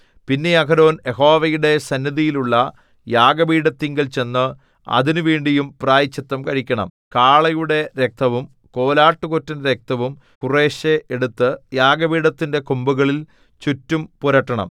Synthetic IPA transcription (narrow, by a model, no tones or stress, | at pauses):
pinːe̞ɐkʰɐɾo̞ːne̞ɦo̞ːʋɐjuɽe̞sɐnːɐðijiluɭːɐ | jaːɡɐbiːɽɐt̪ːiŋɡɐlt͡ɕe̞nːɨ | ɐ̰ðinuʋiːɳɖijumpraːjit͡ɕːɐt̪ːɐmkɐɻikʲːɐɳɐ̰m | kaːɭɐjuɽe̞ɾe̞k̚t̪ʰɐʋum | ko̞ːlaːʈːukotːindeɾek̚t̪ʰɐʋum | kure̞ːɕeʔeɽut̪ːɨjaːɡɐbiːɽɐt̪ːinde̞kombuɣɐɭil | t͡ɕutːumpuɾɐʈːɐɳɐ̰m